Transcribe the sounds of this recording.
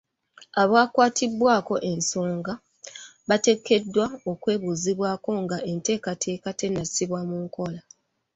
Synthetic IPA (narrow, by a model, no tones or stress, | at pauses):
aβwaːkwaːtʰibwaːko̞ʔe̞nso̞ːŋɡa | βate̞kʰːe̞dːwao̞kwe̞ːβuːziβwaːko̞ŋɡaʔe̞nte̞ːkatʰe̞ːkate̞nːasiβwamuːŋko̞la